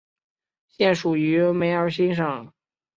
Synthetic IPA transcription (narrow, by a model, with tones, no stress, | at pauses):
ɕjɛ˥˩nʂu˨˩y˧˥me˧˥ɪə˞˧˥ɕ̬i˥nʂɤ˨˩˦ŋ